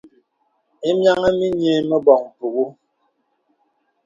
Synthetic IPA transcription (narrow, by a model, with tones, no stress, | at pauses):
e˦mja˦ŋa˦mi˦ɲe˦mə˦bɔ˨ŋ˨pu˨ɣu˦